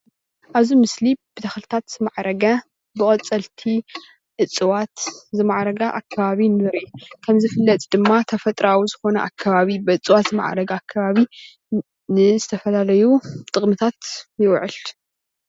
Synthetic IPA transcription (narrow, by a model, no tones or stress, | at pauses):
ʔaβzimɨslib̥ɨt̪ʰɐxlɨt̪ʰat̪zɨmaʕɾɐɡɐ | bɨkʼɐt͡sʼɐlt̪ʰi | ʔɨt͡sʼːɨwat̪zɨmaʕɾɐɡaʔakʰːɐβaβinɨɾikʰɐmzɨfɨlːɐt̪ʼd̪ɨmːat̪ʰɐfɐt̪ʼɾawizɨxo̞nɐ̰ʔa̰kʰːɐβaβibɨɨt͡sʼɨwat̪zɨma̰ʕɾɐɡɐakʰːaβaβi | nɨzɨt̪ʰɐfɐlalɐjut̪ʼɨχʼmɨt̪ʰat̪jɪwʕɨl